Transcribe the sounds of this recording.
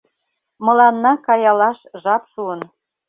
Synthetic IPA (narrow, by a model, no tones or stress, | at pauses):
mɤ̆lɑnːɑkɑjɑlɑʃʒɑpʃuən